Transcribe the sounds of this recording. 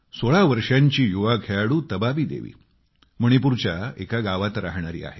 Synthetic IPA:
soɭaʋəɾʂaɲt͡ɕiːjuʋaɡʱʰejaɽuːt̪əbabiːd̪ḛʋḭː | məɽ̃ipuɾt͡ɕjaekaɡaʋat̪ɾa̰ɦɳaɾḭːa̰ɦe

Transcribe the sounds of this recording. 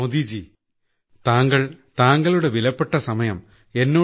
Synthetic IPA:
od̪id͡ʑi | t̪aːŋɡɐɭt̪aːŋɡɐɭuɽe̞ʋilɐpːe̞ʈːɐsɐmɐjɐm | e̞nːoː

